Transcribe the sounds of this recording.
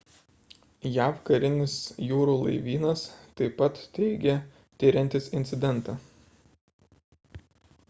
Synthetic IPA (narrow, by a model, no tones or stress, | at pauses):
jæːfkɐɾʲɪnʲɪsjuːɾuːlˠɐ̰ɪʋʲiːnɐst̪ɐɪpːɐt̪t̪ʲɛɪɡʲɛ | t̪ʲɪɾʲɛnʲt̪ʲɪsɪnʲt̪sʲɪd̪ʲɛnˑt̪ɑː